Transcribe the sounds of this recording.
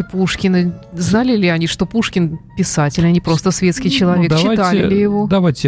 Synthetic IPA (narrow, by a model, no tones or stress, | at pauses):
ɪpuʂkʲɪnəznalʲɪlʲɪɐnʲiʂt̪o̞puʂkʲɪnpʲɪsatʲɪlʲɐnʲipɾo̞st̪əsvʲe̞t̪skʲɪjt͡ɕɪlˠɐvʲekt͡ɕːɪt̪alʲɪlʲɪjɪvo̞d̪ɐvajtʲːɪ